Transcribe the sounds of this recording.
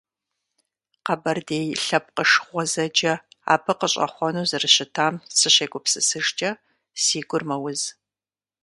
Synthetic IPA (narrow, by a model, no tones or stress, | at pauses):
qɐbɐrdeːjɬɐp̚qəʂχʷɔzɐd͡ʒɐa̰ːbʰɨqəɕʼɐ̰χʷɔnuːzɨrɨɕɪtʰaːmsɨɕeːɡʷʼʊpsɨsɨʂt͡ʃʼɐ | siːɡʷʼʊrmɐwʊz